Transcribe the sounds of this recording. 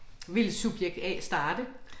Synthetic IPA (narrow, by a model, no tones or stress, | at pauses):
ʋe̝lsub̥jeɡ̥̚d̥ɛ̰ːsd̥ɑ̈ːd̥ə